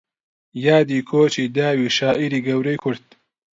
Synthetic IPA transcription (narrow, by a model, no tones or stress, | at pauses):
jaːd̪iːkʰoːt͡ʃiːd̪aːwiːʃaːʔiɾiːɡɐwɾɐjkʰʊɾd̪̚